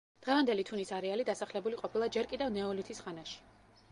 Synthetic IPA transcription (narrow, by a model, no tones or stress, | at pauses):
d̪̥ʁɛvamd̪ɛlit̪ʰunisaɾɛalid̪asaχlɛbuliqʼɔpʰilˠad͡ʒɛɾkʼid̪ɛvnɛɔlit̪ʰisχanaʃi̥